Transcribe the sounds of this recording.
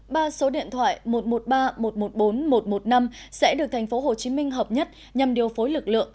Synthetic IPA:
ɓaː˧so˨˦ɗḭ˧˨ənt̪ʰwa̰ː˧˨jmo˨˩t̚mo˨˩t̚ɓaː˧mo˨˩t̚mo˨˩t̚ɓo˨˦nmo˨˩t̚mo˨˩t̚na˧msɛ̰˧˥ɗɨ˨˩ək̚t̪ʰŋ̟fo˨˦ɦo˨˩t͡ɕi˨˦mï˧ŋ̟ɦəː˨˩p̚ɲə˦˥t̚ | ɲa˨˩mɗi˨˩əwfo˨˦jlɨ˨˩k̚lɨ̰˧˨əŋ

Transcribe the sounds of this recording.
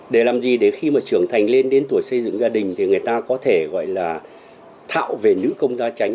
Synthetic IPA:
ɗe˧˩laː˨˩mzi˨˩ɗe˧˩xi˧maː˨˩t͡ɕɨ˧˩əŋt̪ʰa˨˩jŋ̟le˧nɗe˨˦nt̪u˧˩əjsə˧jzɨ̰˧˨ŋzaː˧ɗï˨˩ŋ̟t̪ʰi˨˩ŋɨ˨˩əjt̪aː˧kɔ˨˦t̪ʰe˧˩ɣɔ̰˧˨jlaː˨˩ | t̪ʰa̰ː˧˨wve˨˩nɨ̰˧˥kə˧wŋ͡mzaː˧t͡ɕa˨˦ŋ

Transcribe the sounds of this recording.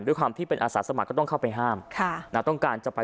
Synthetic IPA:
nd̪u˥˩˨kwaː˧mt̪ʰiː˥˩pe˧nʔaː˧saː˩˦sa˧ma˨˩kːɔː˥˩t̪ɔ˥˩ŋkʰa˥˩wpa˧jɦaː˥˩mkʰa˥˩na˦˥˩t̪ɔ˥˩ŋkaː˧nt͡ɕa˨˩pa˧

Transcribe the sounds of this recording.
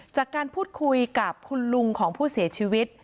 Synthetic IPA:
t͡ɕaː˨˩kːaː˧npʰuː˥˩t̪̚kʰu˧jka˨˩p̚kʰu˧nlu˧ŋkʰɔː˩˦ŋpʰuː˥˩si˨˩˦ɐt͡ɕʰiː˧wi˦˥t̪̚

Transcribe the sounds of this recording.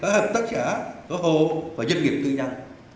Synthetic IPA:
aː˨˦həː˨˩p̚t̪ə˦˥t̚kaː˧˩t̪oː˨˦ɦo˧˨faː˧˩zə˧nŋi˨˩əp̚t̪ɨ˧ɲa˧ŋ

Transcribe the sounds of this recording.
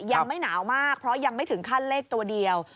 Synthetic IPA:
ja˧ŋma˥˩jnaː˩˦wmaː˥˩k̚pʰɾɔ˦˥ja˧ŋma˥˩t̪ʰɯ˩˦ŋkʰa˥˩nleː˥˩k̚t̪u˧ɐdi˧əw

